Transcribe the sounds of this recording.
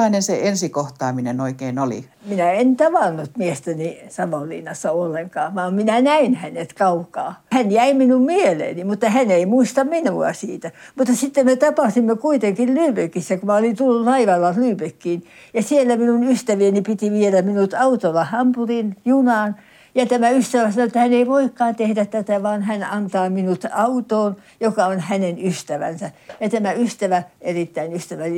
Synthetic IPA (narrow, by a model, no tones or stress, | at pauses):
ɑinenseensikoht̪ɑːminenoikeiːnolḭ | minæent̪ɑʋɑnːut̪miest̪ænisɑʋolːḭnːɑsːɑolːeŋkɑːʋɑːmminænæinhænet̪kɑukɑːhænjæiminummielḛːnimut̪ːɑhæneimuist̪ɑmminuɑ̰siːt̪æmut̪ːɑsit̪ːemmet̪ɑpɑsimːekuit̪eŋkillyːpøkisːækumæolint̪ulːullɑiʋɑlːɑlyːpekːiːn | jɑsielːæminunyst̪æʋienipit̪iʋielæmminut̪ɑut̪olːɑhɑmpurinjunɑːn | jɑt̪æmæyst̪æʋæsɑnoet̪ːæhæneiʋoikːɑːnt̪ehdæt̪t̪æt̪æʋɑːnhænɑnt̪ɑːminut̪ɑut̪oːn | jokɑonhænenyst̪æʋæ̰nsæjɑt̪æmæyst̪æʋæʔerit̪ːæinyst̪æʋæ